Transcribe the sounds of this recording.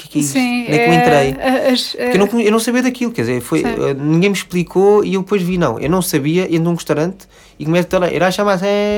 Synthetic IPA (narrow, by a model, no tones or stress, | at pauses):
ukɛkɛissũnɛkmẽnt̪ɾɐjɐɐʃɾewnɐ̃kuewnɐ̃w̃sɐβiɐðɐkilˠukɛɾzeɾfoj̰ɛ̰nĩŋɡɐ̃j̃mʃplˠikʰoiewðpojʒvinɐ̰̃w̃ʔḛwnɐ̃w̃sɐβiɐʔẽnd̪oũʁɨʃt̪awɾɐ̃nt̪ | ikumɛst̪ɛlˠɐ̃ʔɛ̰ɾaʃamaɛ̃